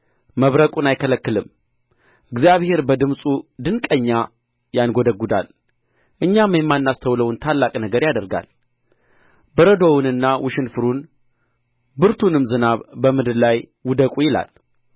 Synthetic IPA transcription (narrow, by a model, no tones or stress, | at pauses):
məβɾəkʼunajkʰələkːɨlɨm | ʔɨɡzijaβhe̞ɾbəd̪ɨmsʼud̪ɨnkʼəɲːa | janɡo̞d̪əɡːud̪a̰l | ʔɨɲːamjɛmːanːast̪ʰəwləwʊnt̪ʰalːakʼnəɡəɾjad̪əɾɡa̰l | bəɾəd̪o̞wnɨnːawʊʃɪnfɨɾun | bɨɾt̪ʰunɨmzɨnaβbəmɨd̪ɨdlajwʊd̪əkʼujɪla̰l